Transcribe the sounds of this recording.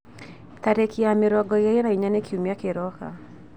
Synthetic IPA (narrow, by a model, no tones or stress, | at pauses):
taɾekiameɾɔɡɔjajɔnaiɲanekʰiumiakeɾɔka̰